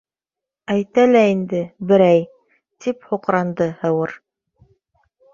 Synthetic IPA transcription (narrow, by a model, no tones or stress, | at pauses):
æjt̪ælæind̪ɘbɘ̆ɾæj | t̪iphŏqɾɑnd̪ɤhɤ̆wɤɾ